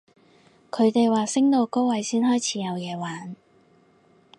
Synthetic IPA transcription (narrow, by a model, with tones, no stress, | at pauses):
kʰɵ˨˧ɥt̪e˨jwaː˨˩sɪ˥ŋt̪o˨˧wko˥wwɐ˨˧jsiː˥nɦɔː˥jt͡sʰiː˨˥jɐ˨˧wjɛː˨˧waː˨˥n